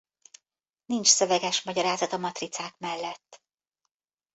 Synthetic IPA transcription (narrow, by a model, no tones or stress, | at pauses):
nint͡ʃsø̞vɛɡɛʃmɒɟɒɾaːzɒt̪ɒmɒt̪rit̪saːkmɛlːɛt̪ː